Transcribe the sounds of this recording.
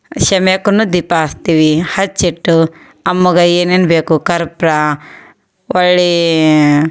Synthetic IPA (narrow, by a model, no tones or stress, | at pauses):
ʃɐmekunud̪ipaːst̪iʋihɐt͡ʃːiʈːu | ɐmːuɡɐeːnenbeːkukɐɾpɾa | ʔɐɭːe